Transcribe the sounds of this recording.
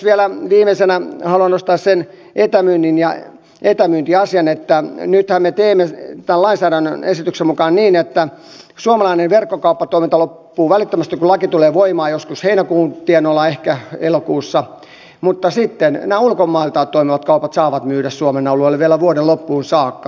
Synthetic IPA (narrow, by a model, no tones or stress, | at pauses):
ʋielæʋiːmesenæhɑluɑnost̪ɑːssen | et̪æmyːnːinjɑ | et̪æmyːnt̪iɑsiɑnet̪ːænyt̪hæmmet̪eːmːet̪ællɑinsæːɾænːø̰nesit̪yksemukɑːnniːnet̪ːæ | suomɑlɑinenʋerkːokɑupːɑt̪oimint̪ɑlopːuːʋælit̪ːømæst̪ikulɑkit̪uleːʋoimɑːjoskusheinækuːnt̪ienolɑehkæelokuːsːɑ | mut̪ːɑsit̪ːennæːulkomːɑilt̪ɑːtt̪ːoimiʋɑt̪kɑupɑt̪sɑːʋɑt̪myːɾæssuomenɑuluoelːʋielæʋuoɾelopːuːnsɑːkːɑ